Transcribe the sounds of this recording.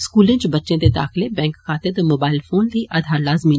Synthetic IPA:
skuːlɪ̃t͡ʃbɐtːʃẽd̪ed̪a̰ːxlebɛ̃ːŋkxaːt̪ɪd̪moːbaːɪlfoːnd̪iʔaːd̪ʱaːɾlaːzmiː

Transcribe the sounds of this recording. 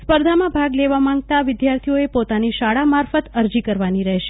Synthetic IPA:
spəɾd̪ʱamãbʱaɡleʋamãŋɡ̚t̪aʋɪd̪jaɾt̪ʰijoepot̪aniʃaɽamaɾfət̪əɾd͡ʒikəɾʋaniɾəɦʃe̥

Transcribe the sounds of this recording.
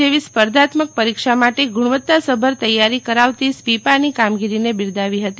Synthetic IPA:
eʋispəɾd̪at̪mək̚pəɾikʃamaʈeɡuɽ̃ʋət̪ːasəbʱəɾt̪əjaɾikəɾaʋt̪ispipanikamɡiɾinebɪɾd̪aʋiɦət̪i

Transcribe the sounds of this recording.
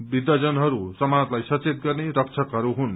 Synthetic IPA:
bid̪ːad͡zʌnɦʌɾusʌmaʌt̪lajsʌt͡set̪̚ɡʌrneɾʌk̚t͡sʰʌkɦʌɾuɦun

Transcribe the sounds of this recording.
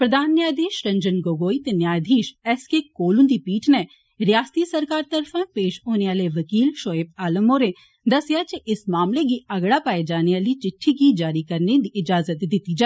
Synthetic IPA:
pɾɐd̪ʱaːnːjaːjd̪ʱeːʃɾɐ̃ɲd͡ʒənɡoːɡoːit̪enjaːjd̪ʱiːʃɛːskekoːlʊ̃nd̪ipiːʈʰnɛ | ɾɪjaːst̪isɐɾkaːɾt̪ɐɾfʰə̃peːʃoːneaːleʋɐkiːlʃoːeːb̚aːləmoɾe | d̪ɐsɪjat͡ʃeʔɪsmaːmleɡiɐɡɽapaːed͡ʒaːneaːlit͡ʃɪʈʰːiɡid͡ʒaːɾikɐɾned̪iʔɪd͡ʒaːzət̪d̪ɪt̪ːid͡ʒaː

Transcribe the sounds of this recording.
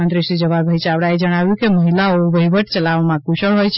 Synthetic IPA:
ənt̪ɾisid͡ʒəβaɾbʱəjt͡ʃawɽajd͡ʒəɽ̃abukeməɦilaɔbəɦibəʈt͡ʃəlaʋmakusəɭɦojt͡ʃʰ

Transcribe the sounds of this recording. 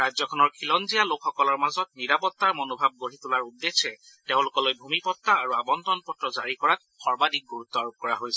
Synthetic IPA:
ɹazjɔkʰɔnɔɹkʰilɔnzijalokxɔkɔlɔɹmazɔt̚niɹapɔt̪ːaɹmonobʱab̚ɡoɹit̪ulaɹudːesɛ | teʊ̃lʊkɔlojbʱumipɔt̪ːaːɹuabɔntɔnpɔtɹɔzaɹikɔɹat̚ | xɔɹbadʱik̚ɡuɹut̪ːɔaɹob̚kɔɹaɦojsɛ

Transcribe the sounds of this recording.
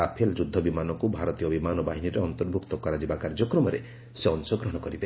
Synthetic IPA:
apʰeld͡ʒud̪ʱːɔbimanɔkubʱaɾɔt̪ijɔbimanɔbaɦiniɾeɔnt̪ɔɾbʱukt̪ɔkɔɾad͡ʒibakaɾd͡ʒɔkɾɔmɔɾe | seɔnsɔɡɾɔɦɔɽ̃ɔkɔɾibe

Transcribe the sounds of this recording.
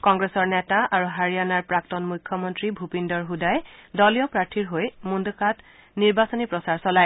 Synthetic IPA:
kɔŋɡɹesɔɹnɛtaaɹuɦaɹijanaɹpɹak̚tɔnmujkʰːɔmɔntɹibʱupindɔɹɦudajdɔlijɔpɹaɹtʰiɹɦojmundkat | niɹbasɔnipɹɔsaɹsɔlaj

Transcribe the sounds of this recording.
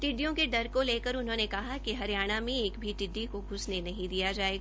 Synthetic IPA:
ʈɪɖijõkeɖɐɾkoleːkəɾʊnɦõːnekɐɦakiɦɐɾijaːɽ̃amẽeːkbʱiʈɪɖːikoɡʱʊsnenɐɦĩd̪ijad͡ʒaːeːɡa

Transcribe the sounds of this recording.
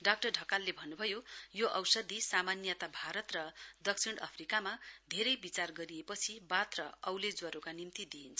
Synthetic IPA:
ɖak̚ʈʌrɖʱʌkalːebʱʌnːubʱʌjojoʔʌwsʌd̪isamanjʌt̪abʱaɾʌt̪rʌd̪ʌksʰiɽ̃ʌ̰pʰrikamad̪ʱeɾʌjbit͡sarɡʌɾiepʌt͡sʰibat̪rʌʌwled͡zwʌɾokanimt̪id̪iint͡sʰʌ

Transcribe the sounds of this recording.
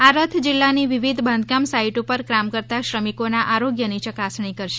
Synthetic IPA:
aɾət̪ʰd͡ʒɪlːaniʋiʋid̪ʱbʱə̃nd̪ʱkamsaiʈupəɾkɾamkəɾt̪aʃɾəmikonaʔaɾoɡjənit͡ʃəkasɳ̃ikəɾʃe̥

